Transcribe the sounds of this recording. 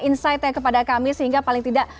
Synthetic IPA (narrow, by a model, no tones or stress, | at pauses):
insajt̪̚ɲakəpadakamisəɦiŋɡapalɪiŋt̪idaʔ